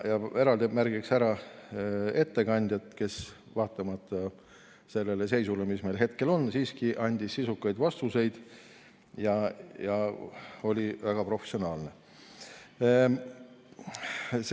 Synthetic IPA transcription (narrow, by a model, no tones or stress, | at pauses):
jɑe̞ɾɑld̪imærɡ̥iksæɾɑ | e̞t̪ːe̞kɑnʲd̪̥ʲjɑt̪ke̞s | vɑːt̪ːˑɑmɑt̪ˑːɑ | se̞lːele̞se̞jsulemisme̞lɦe̞t̪̚ke̞lo̞nːsiːskiʔɑnʲd̪̥ʲisːisukːˑɑjd̪vɑst̪use̞jd̪̥ | jɑjɑ | o̞lʲivæɡ̥ɑpro̞fe̥sio̞nɑːlne | s